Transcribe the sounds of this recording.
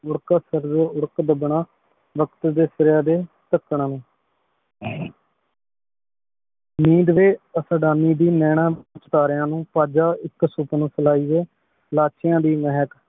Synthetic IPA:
ʊɽkaːsəɾd͡ʒoːʊɽkd̪əbəɳaː | ʋəkt̪d̪eːsəɾjaːd̪eː | t̪əkːɳaːnẽː | miːd̪ʋeːəsəɖaːniːd̪iːnɛːɽ̃ãːt͡ʃʈaːɾjãːnũːpaːd͡ʒaːɪksupnũːsəlaːiːeː | laːt͡ʃɪjãːd̪iːmɛɦək

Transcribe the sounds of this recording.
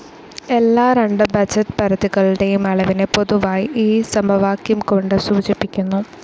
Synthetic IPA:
e̞lːaːɾeɳɖɨbɐd͡ʑɐt̪pɐɾɐðiɣɐɭɖe̞jumɐɭɐʋinepo̞ðuʋaːjiʔiːsɐmbʱɐʋaːkjumko̞ɳɖɨsuːt͡ɕipːikʲːunːu

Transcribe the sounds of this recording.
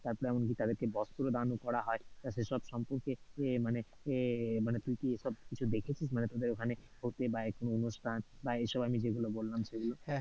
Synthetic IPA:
t̪aɾpɔɾɛmonk̬it̪ad̪eɾkebɔst̪uɾod̪anukɔɾaɦɔet̪aʃeʃɔbʃɔmpoɾkemane | manet̪ujkieʃɔb̚kit͡ɕʰud̪ekʰet͡ɕʰismanet̪od̪eɾokʰane | hot̪ebaekonoonoʃʈʰanbaeʃɔbamid͡ʑeɡulobolːamʃeɡulo

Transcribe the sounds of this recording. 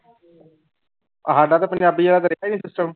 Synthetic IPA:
əɦaːɖaːt̪aːpənd͡ʒaːbiːd͡ʒeːlaːk̪əɾeaiːniːsɪsʈəm

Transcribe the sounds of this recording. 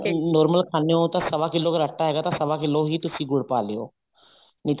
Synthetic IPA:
nɔːɾməlkʰaːnejõt̪ãːsəʋaːkɪlːoːkəɾəʈʰːaːɦɛːɡaːt̪ãːsəʋãːkɪlːõɦiːt̪ʊsĩːɡʊɽpaːlejo̰ː | nĩːt̪

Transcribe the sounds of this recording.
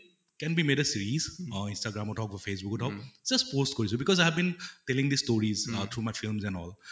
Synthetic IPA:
kɛ̃nbimedəsiɹizĩnstaɡɹamɔtʰɔʊk̚ɔfes̬bʊkɔtʰɔkzaspostkɔɹis̬ɔbikɔzajɦɛvbĩntɛlĩŋd̪istoɹizt̪ʰɹumajfilmzɛ̃nɔl

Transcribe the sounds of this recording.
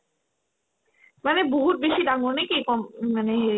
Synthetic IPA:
maneboɦut̪̚beʃid̪aŋɡonekikɔmmaneɦ

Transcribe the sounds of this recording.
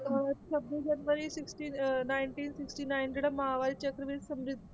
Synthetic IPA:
t̪um̤aʋasəbnid͡ʑənʋəɾiːsiksʈiːnajɳʈiːnsiksʈiːnajnɖeɽəməɦaʋaɾiːt͡ɕəkɾəʋesəmɾid̪̚ʱ

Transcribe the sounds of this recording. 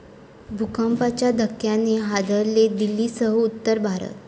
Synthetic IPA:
bʱukəmpat͡ɕjad̪əkːjanːeɦad̪ʱəɾled̪ilːisəɦəut̪ːəɾbʱaɾə̰t̪̚

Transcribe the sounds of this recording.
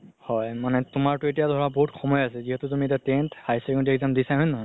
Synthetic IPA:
hɔjmanɛtʊmaɹtʊetijadʱɔɹabɔɦutxɔmɔjasɛziɦɛtʊtumietjatenthajsɛkɔ̃ntiɛkzamdisaɦɔjnnɔɦɔj

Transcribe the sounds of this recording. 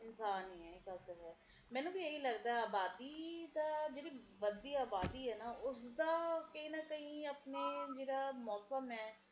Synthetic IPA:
ɪnsaːnɦiɛːɪkat̪əɾɦɛː | mɛ̃ːnũːbʱijɐɦilɐɡd̪aɛaːbaːd̪iːd̪aːd͡ʒeːɽi | ʋəd̪iaːbaːd̪iɦɛːnaʊsd̪aːkəɦĩːnɐkɐɦĩɐpneːd͡ʒeːɽaːmɔːsəmɛː

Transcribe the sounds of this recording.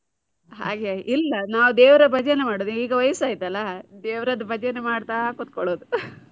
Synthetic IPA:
ɦa̰ːɡeʔilːɐnaːʋud̪eːʋɾɐbʱɐd͡ʒejenːemaːɽod̪iiːɡɐʋɐjɐsaːjit̪ɐlːɐd̪eːʋɾɐd̪ɐbʱɐd͡ʒejenːemaːɽt̪aːkut̪̚kɔɭoːd̪u

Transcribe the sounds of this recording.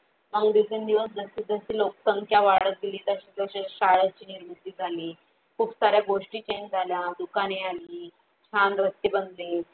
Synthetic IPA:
məɡd̪isənd̪iʋəsd͡zəsiːd͡zəsiːlok̚səŋkjaʋaɽət̪̚ɡ̪iliːt̪əɕiːd͡zəɕeɕaɭət͡ɕiːniɾmut̪iːd͡zʱaliː | kʰuːpsaɾjaɡoʂʈiːt͡ɕend͡zʱaljad̪ukanealiː | t͡ɕʰand̪ɾəst̪jibənd̪li

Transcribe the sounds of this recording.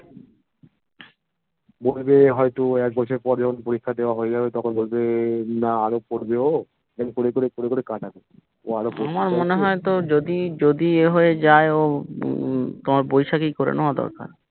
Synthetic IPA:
bolbeɦɔjt̪uɛk̚bɔt͡ɕʰeɾpɔɾd͡ʑɔkʰonpoɾikʰːad̪eoaɦoed͡ʑabet̪ɔkʰonbolbenaaɾokoɾbeo | lamkoɾekoɾekoɾekoɾekãʈabe | oaɾooamaɾmoneɦɔet̪od͡ʑod̪id͡ʑod̪ieɦoed͡ʑaeo | t̪omaɾbojʃakijkoɾḛnɔad̪ɔ̰ɾka̰ɾ

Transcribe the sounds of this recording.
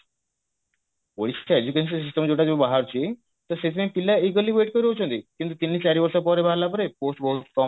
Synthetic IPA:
poɾisaed͡ʒukens̬ɔns̬isʈemd͡ʒowʈad͡ʑobobaɦaɾt͡ʃʰi | t̪ɔset̪ʰimepilːaik̬olːiʋeʈkɔɾiɾowt͡ʃʰɔ̃nt̪ikint̪̬ut̪inːit͡ɕaɾibɔɾsɔpɔɾebʱaɦlːapɔɾeposʈbɔɦut̪kɔ

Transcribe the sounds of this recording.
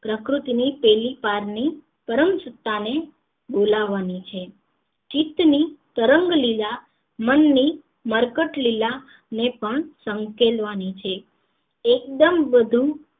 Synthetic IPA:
pɾəkɾut̪inipɛlipaɾni | pəɾəmsət̪ːane | bolaʋːanit͡ʃʰe | t͡ʃit̪nit̪əɾəŋɡlila | mənːi | məɾkəʈlila | nepəɳsəŋkelʋanit͡ʃʰe | ek̚d̪əmbəd̪ʱu

